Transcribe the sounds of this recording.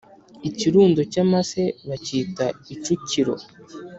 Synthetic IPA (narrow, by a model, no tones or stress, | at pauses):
iciɾuːndocamase̞βacitait͡ʃuciɾo̞̰